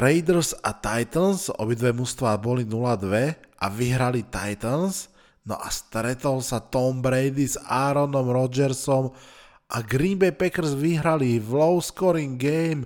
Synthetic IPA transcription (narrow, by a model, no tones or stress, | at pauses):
ɾɛjd̪ɾza̰t̪ajt̪ənsɔ̰bid̪ʋɛmust̪ʋaːbɔlinulad̪ʋɛʔa̰ʋiɦɾalit̪a̰jt̪əns | nɔ̰ʔast̪ɾɛt̪ɔlsat̪ɔmbɾɛjd̪izaɾɔnɔmɾɔd͡ʒɛɾsɔm | ʔaɡɾimbɛpɛkɛɾzʋiɦɾaliʋlɔʊskɔɾiŋɡɛjm